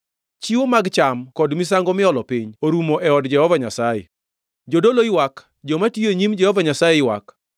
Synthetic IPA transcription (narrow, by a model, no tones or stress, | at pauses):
t͡ʃiwomaɡt͡ʃamkɔdmis̬aŋɡɔmɪɔlɔpiɲoɾumoʔɛɔdd͡ʒɛhɔvaɲasajɛ̰ | d͡ʒodoloɪwak | d͡ʒɔmatieɲimd͡ʒɛhɔvaɲasajɛɪwa̰k